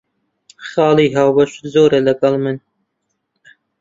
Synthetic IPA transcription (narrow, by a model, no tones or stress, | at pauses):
xɑːliːɦaːwbɐʃzoːɾɐlɐɡɐlmɨn